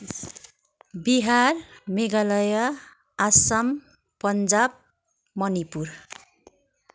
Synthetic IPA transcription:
biɦarmeɡalʌjʌ | asʌm | pʌnd͡zab̚ | mʌnipur

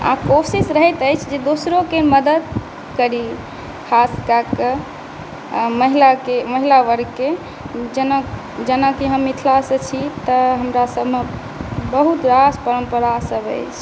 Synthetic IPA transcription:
ã̰kosisɾəɦɛt̪əjt͡ʃʰd͡ʒed̪osɾokeməd̪əd̪ | kəɾi | kʰaskakə | məɦilakeməɦilaʋəɾke | d͡ʒəna | d͡ʒənakiɦəmːit̪ʰlasə̃t͡ʃʰit̪əɦəmɾasəbʱme | bəɦut̪ɾaspəɾəmpəɾasəbə̰jt͡ʃʰ

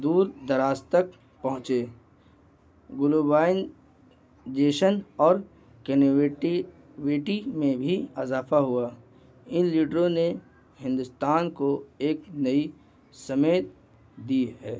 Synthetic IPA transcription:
d̪uːɾd̪ɐɾaːst̪ək | pɐɦʊ̃t͡ʃeː | ɡʊlubaːɪn | d͡ʒeːʃənɔːɾ | kenʈi | weːʈimẽbʱiɪzaːfaɦʊaː | ɪnliːɖɾõne | hɪ̃nd̪ʊst̪aːnkoeːknɐi | sɐmeːt̪̚ | d̪iɦɛː

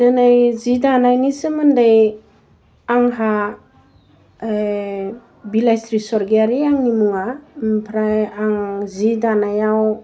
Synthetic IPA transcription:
danajzidanajnisɯmɯndaj | aŋɦa | bilajstɾisɔɾɡeaɾiaŋnimuŋapʰɾajaŋzidanajaw

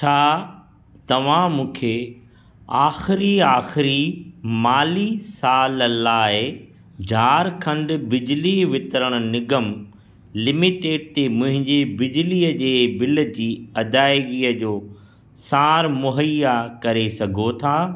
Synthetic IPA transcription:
t͡ɕʰaː | t̪ɐʋ̤ãmũːkʰe | aːxɪɾiaːxɪɾimaːlisaːllaːɪ | d͡ʑʱaːɾkʰɐ̃ɳɖ̆bɪd͡ʑɪliʋɪt̪ɾəɽ̃ʊ̆nɪɡəm | lɪmiʈeːɖ̚t̪emʊ̃ɦɪ̃ɲd͡ʑebɪd͡ʑɪliːəd͡ʑeːbɪlə̆d͡ʑiːɐd̪aːɪɡiːəd͡ʑoː | saːɾmʊɦəjakɐɾesɐɡʱot̪ʰaː

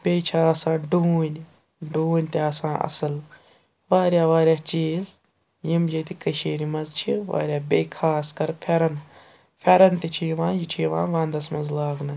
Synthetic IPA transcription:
beːt͡ʃʰaːɐsãːɖuːnʲ | ɖuːnʲt̪eɐsãːʔɐ̰sɨl | ʋaːɾʲjaːʋaːɾʲjaːt͡ʃiːz | jimd͡ʒɐt̪ikɐʃeːɾimɐnzt͡ʃʰiʋa̰ːɾʲjaːbʲeːkʰaːskɐɾpʰɐɾɐn | pʰʲɐɾɐnt̪it͡ʃʰiʋãːjit͡ʃʰiʋã̰ːʋãːnd̪ɐsmɐnzlaːɡnɐ

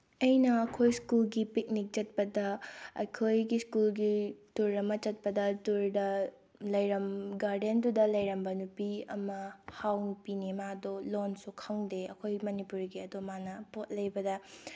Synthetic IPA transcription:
ɐjnɐɐkʰojskulɡipik̚nik̚t͡ʃɐt̚pɐdɐɐ̰jkʰojɡiskulɡituɾɐmɐt͡ʃɐt̚pɐdɐtuɾdɐ | lɐjɾɐmɡaɾdendudɐlɐjɾɐmbɐnupiɐ̰mɐhawnupinimadolonsukʰɐŋdeɐ̰kʰojmɐnipuɾɡiɐdomanɐpot̚lɐjbɐdɐ

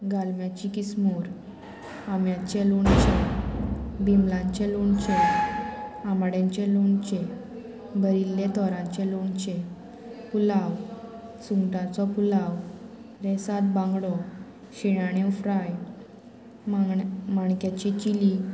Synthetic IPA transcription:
ɡalmjat͡ɕikismuɾ | amjat͡ɕeloɳt͡ɕe | bimlãɲt͡ɕeloɳt͡ɕɛ̃ | amɽjãɲt͡ɕɛ̃loɳt͡ɕe | bəɾilːet̪ɔɾat͡ɕeloɳt͡ɕe | pulaw | suŋɡʈat͡sɔpulaw | ɾɛsat̪̚bãŋɡɽɔ | ɕiɽ̃aɽ̃efɾaj | maɳkjat͡ɕit͡ɕili

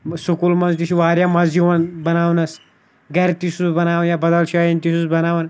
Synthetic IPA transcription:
sukulmɐnzt̪it͡ʃʰiʋaːɾjamɐnzd͡ʒiʋɐnbɐnaːwnɐs | ɡɐɾt̪isusbɐnaːʋɐnjabɐd̪ɐlʃʰɐjint̪isusbɐnaːʋɐn

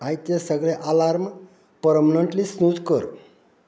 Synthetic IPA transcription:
ajt̪jesəɡɭeʔalaɾm | pəɾəmnəɳʈlisnud̪ʱkəɾ

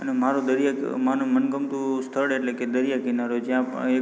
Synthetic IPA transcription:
ənemaɾod̪əɾjamanũmənɡəmt̪ũst̪ʰəɽeʈleked̪əɾijakinaɾod͡ʒjãpe

